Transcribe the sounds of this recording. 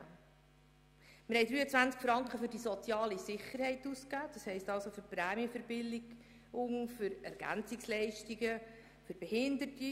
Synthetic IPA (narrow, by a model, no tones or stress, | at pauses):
mɪɾhɛɪdɾyːət͡sʋænt͡skfɾɑŋkχəfʏɾdisɔt͡sjɑːlisɪχəɾhɛɪtuskæːd̥ɑshɛɪstɑlsoføɾpɾæːmiəfəɾbɪldɪɡ | ʊŋfʏɾɛ̰ɾɡ̥æ̰nt͡sɪkslɛɪʃtiɡə | føɾb̥ɛhɪnd̪əti